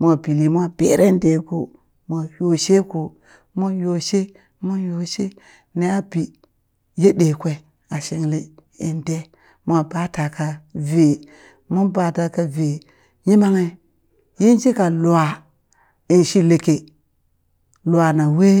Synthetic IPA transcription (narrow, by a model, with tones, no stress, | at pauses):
mʷ˦a˨bi˨li˨mʷ˦a˦b̥ḛ˨ɾʔe˦de˨ko̰˨ | mʷ˨a˨jo˨ʃe˦ku˨ | mo˦jo˨ʃe˦ | mu˦njo˨ʃe˦ | ne˦a˦bi˨ | je˦ɗe˨kʷe˦˨ | a˨ʃe˨ŋle˦ | ḭ˨nde˦ | mʷ˦a˨ba˦ta˨ka˦ve˨ | mu˦nba˨ta˨ka˨ve˨ | ɲi˦ma˦ŋe˨ | ji˦n˦t͡ʃi˦ka˨lu˨a˨ | i˨nʃi˦le˨ke˨ | lu˨a˨na˨we˦